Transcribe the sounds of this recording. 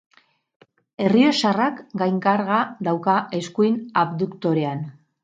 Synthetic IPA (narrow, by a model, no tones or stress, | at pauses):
e̞rie̞sarakɡajŋkaɾɣaðawkae̞skujnaβd̪ukt̪o̞ɾe̞an